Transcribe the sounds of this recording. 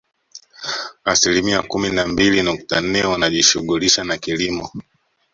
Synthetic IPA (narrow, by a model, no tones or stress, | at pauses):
asilimiakuminambilinuk̚tan̩nɛwanaʄiʃuɠuliʃanakilimɔ